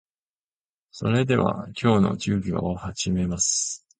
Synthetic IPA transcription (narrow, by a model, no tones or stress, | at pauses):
so̞̰ɾe̞d̪e̞βa̰kʲʰo̞ːno̞̰t͡ɕɨːkʲia̰ohaʑime̞masɨ̥